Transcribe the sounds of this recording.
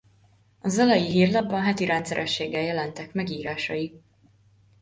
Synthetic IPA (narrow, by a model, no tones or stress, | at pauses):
ɒzɒlɒjiɦiːrlɒbbːɒnɦɛt̪iɾɛnt̪sɛɾʔɛʃːeːɡːɛljɛlɛnt̪ɛkmɛɡiːɾaːʃɒji